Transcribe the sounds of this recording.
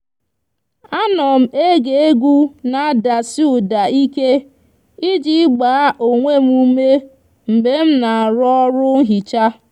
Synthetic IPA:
a˦nɔ˨m̩˨e˦ɡe˨e˦ɡʷu˦na˨˦da˨si˦u˦˨da˨i˦ke˦ | i˦d͡ʒi˦ɡ͡baː˨a˦ʔo˨ŋʷe˦m˦u˦me˦ | m̩˨be˨˦m̩˦na˨ɾɔ˦ɾʊ˦ɦi˨t͡ʃa˦

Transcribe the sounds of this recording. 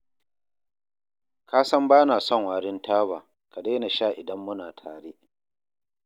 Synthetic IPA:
kʰaː˦sɐ˦mbaː˦naː˨sɔ˦ŋwaː˨ɽɪ˦ntaː˦baː˨ | ka˨da˦na˨ʃaː˦˨ʔɪ˨dɐ˦mːʊ˦naː˨tʰaː˨ɽeː˦

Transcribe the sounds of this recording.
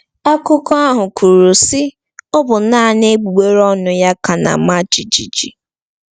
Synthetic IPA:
a˦kʊ˦kɔ˦a˦ɦʊ˨kʰu˨ɾu˨sɪ˦ | ʊ˦bʊ˨˦naː˦˨ne˦ɡ͡bu˨ɡ͡be˦ɾɔ˦nʊ˦ja˦ka˨na̰˨ma˦d͡ʒi˨d͡ʒi˨d͡ʒḭ˨

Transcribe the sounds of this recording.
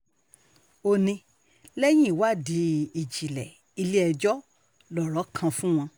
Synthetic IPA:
o˧nĩ˧ | lɛ˦j̃ĩ˦˨wa˦˨di˨˦i˨d͡ʒi˨lɛ˨ | i˧li˦ɛ˧d͡ʒɔ˦ | lɔ˨ɾɔ˨˦kʰã˧fũ˦w̃ɔ̃˧

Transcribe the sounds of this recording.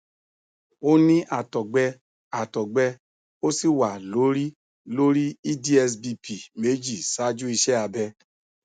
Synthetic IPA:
o˦nĩ˦ʔa˨tɔ˨ɡ͡bɛ˧ | a˨tɔ˨ɡ͡bɛ˧ | o˦si˦wa˨lo˨˦ɾi˦ | lo˦ɾi˦i˦di˦ɛ˧s̬bi˧pi˨me˨˦d͡ʒi˨sa˨˦d͡ʒu˦i˧ʃɛ˦a˧bɛ˧

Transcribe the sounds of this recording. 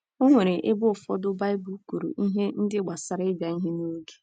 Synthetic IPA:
o˦ŋʷe˨ɾe˨ʔe˦bʊ˦˨fɔ˦dʊ˦ba˦ɪ˦bu˦ku˨ɾṵ˨ʔi˦ɦe˦n̩˦dɪ˦ɡ͡ba˨sa˦ɾɪ˦d͡ʒa˨i˦ɦe˦no˦ɡe̥˦

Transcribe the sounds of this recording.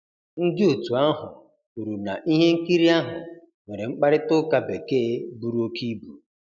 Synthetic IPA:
n̩˦dɪ˦o˨tu˨a˦ɦʊ˨ | u˨ɾu˨na˨ʔi˦ɦe˦ŋ̩˦ki˦ɾi˦a˦ɦʊ˨ | ŋwe˨ɾe˨ŋ͡m̩˦k͡pa˦ɾɪ˦tʊ˦ka˦be˨keː˦bu˦ɾu˦o˦ki˦bu˨

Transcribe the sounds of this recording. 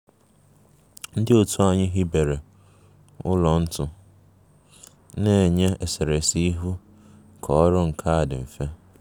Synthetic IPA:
n̩˦dɪ˦o˨tʰu˦a˨ɲɪ˦ɦi˦be˨ɾe˨ | ʊ˦lɔ˨n̩˦tʊ˦ | ne˦˨ɲe˦e˨se˨ɾe˨si˦i˦ɦu˦ | kʰɔ˨˦ɾʊ˦ŋ̩˨kʰa˦a˨dɪ˨m̩˨fe˦

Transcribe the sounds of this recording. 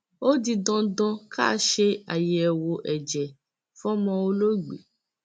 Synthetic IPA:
o˦di˧dɔ̃˧dɔ̃˧kʰa̰˦˧ʃe˧a˨je˨ɛ˨wo˧ʔɛ˨d͡ʒɛ˨ | fɔ̃˦mɔ̃˧o˧lo˦ɡ͡bḛ˨

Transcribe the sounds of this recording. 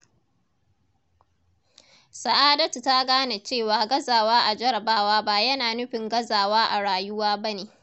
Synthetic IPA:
sa˨ʔaː˦dɐ˦tu˨ta˦ɡaː˦na˨t͡ʃeː˦˨waː˨ɡɐ˦zaː˨waː˦ʔa˨d͡ʒɐ˦ɾɐ˨baː˦waː˦ba˦jɐ˦naː˨nʊ˦ɸɪ˨ŋɡɐ˦zaː˨waː˦ʔa˨ɽaː˨jʊ˦waː˦bɐ˦neː˨

